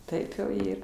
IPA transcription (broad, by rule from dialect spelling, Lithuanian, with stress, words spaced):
ˈtɐɪp jɛʊ ˈiːr